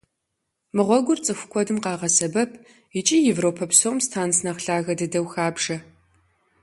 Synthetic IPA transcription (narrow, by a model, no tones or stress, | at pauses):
mɨʁʷɔɡʷʊrt͡sʼɨxʷʊ̥kʷʰʼɔdɨmqɑːʁɐsɐbɐpʰ | it͡ʃʼiːjɛvroːpʰɐpsomstʰaːnsnɐχɬaːɣɐdɐdɐwxaːbʒɐ